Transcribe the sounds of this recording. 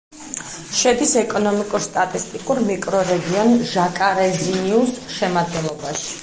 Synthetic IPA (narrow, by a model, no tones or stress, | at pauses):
ʃɛd̪isɛkʼɔnɔmikʼuɾst̪ʼat̪ʼist̪ʼikʼuɾmikʼɾɔɾɛɡiɔnʒakʼaɾɛziniusʃɛmad̪ɡɛnlˠɔbaʃi̥